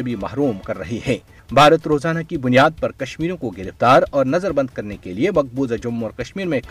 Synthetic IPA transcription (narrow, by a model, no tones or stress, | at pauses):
bʱimɐɦɾuːmkɐɾːɐɦiɦɛː | bʱaːɾət̪ɾoːzaːnakibʊnijaːd̪̚pɐɾkɐʃmiːɾõkoɡɪɾɪft̪aːɾɔːɾnɐzəɾbɐ̃nd̪̚kɐɾnekeliemɐk̚buːzad͡ʒʊmːɔːɾkɐʃmiːɾmẽk